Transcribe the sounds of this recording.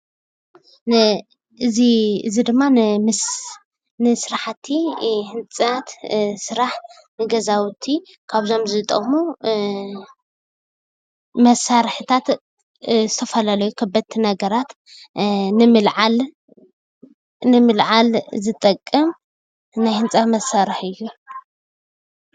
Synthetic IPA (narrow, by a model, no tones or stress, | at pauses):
ʔɨziɨzid̪ɨmːanɨm | nɨsɨɾaħat̪ʰːihɨnt͡sʼat̪sɨɾaħ | nɨɡɐzawt̪ʰi | kʰaβzo̞mzɨt̪ʼɐ̰mu | mɐsaɾħɨt̪ʰat̪ | zɨt̪ʰɐfɐlalɐjukʰɐbːɐt̪ʰːinɐɡɐɾat̪ | nɨmɨlʕal | nɨmɨlʕalzɨt̪ʼɐkʼːɨm | najhɨnt͡sʼat̪mɐsaɾɨħɨjːu